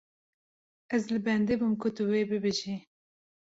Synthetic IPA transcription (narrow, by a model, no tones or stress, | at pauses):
ɛzlɨbɛnd̪ebumkʰʊt̪ɨweːbɨbɨʒi